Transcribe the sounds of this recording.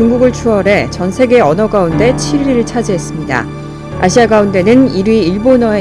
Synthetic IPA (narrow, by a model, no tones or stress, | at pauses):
uŋɡuɡɯɭt͡ɕʰuʌɾe̞t͡ɕʌnsʰe̞ɡe̞ʌnʌɡaunde̞t͡ɕʰiɾiɾɯɭt͡ɕʰad͡ʑiɦe̞s͈ɯmɲida̰ | a̰ɕʰiaɡaunde̞nɯniɾiiɭbonʌe